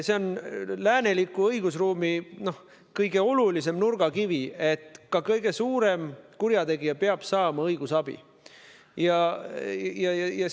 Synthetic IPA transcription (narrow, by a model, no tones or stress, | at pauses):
se̞o̞nlæːne̞likːˑuɤiɡ̥usruːmino̞h | kɤjɡ̥e̞o̞lulise̞mnurɡ̥ɑkivie̞t̪kɑkɤjɡe̞suːɾe̞mkuɾjɑt̪e̞ɡijɑpeɑb̥sɑːmɑɤjɡ̥usɑb̥ḭ | jɑ | jɑjɑjɑ